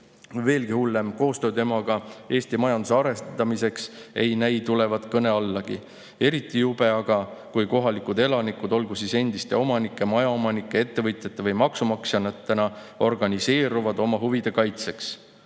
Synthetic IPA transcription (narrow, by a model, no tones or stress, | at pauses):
ve̞ːlɡ̥ihulːemko̞ːst̪ø̞ːd̪e̞mɑɡ̥ɑe̞ːst̪imɑjɑnd̪useɑɾe̞st̪ɑmise̞kse̞jnæjt̪ule̞vɑd̪kɤne̞ɑlːɑɡ̥ḭ | e̞ɾit̪ːˑijub̥e̞ɑɡ̥ɑkujko̞ɦɑlikud̪e̞lɑnikud̪̥o̞lɡ̥usise̞nd̪̥ist̪e̞o̞mɑnikːˑemɑjɑomɑnikːˑee̞t̪ːe̞vɤt̪ˑjɑt̪ːˑevɤjmɑksumɑksjɑnɑt̪ːˑenɑ | o̞rɡɑnʲise̞ːɾuvɑd̪o̞mɑɦuvid̪̥e̞kɑjt̪se̞ks